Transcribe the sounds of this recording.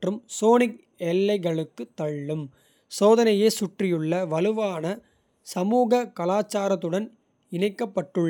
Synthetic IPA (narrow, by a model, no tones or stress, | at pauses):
ʈrɯmsoːnɪk̚ | ɛlːɐɪɣɐɭɯkːɯt̪ːɐɭːɯm | soːðɐnɐjeːsʊʈrɪjɯɭːɐʋɐlɯʋaːnɐ | sɐmuːɣɐkɐlaːt͡ʃːaːɾɐt̪ːɯɽɐn | ɪɳɐɪkːɐpːɐʈːɯɭː